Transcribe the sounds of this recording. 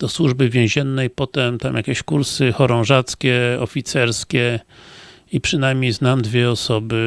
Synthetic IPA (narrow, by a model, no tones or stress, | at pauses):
d̪̥ɔswuʐbɘvʲjɛ̃w̃ʑɛnːɛjpɔt̪ɛmt̪amjakʲɛɕkuɾsɘxɔɾɔ̃w̃ʐat̪skʲɛɔfʲit̪sɛɾskʲɛ | ipʂɘnajmʲɲejznamd̪vʲjɛɔsɔbɘ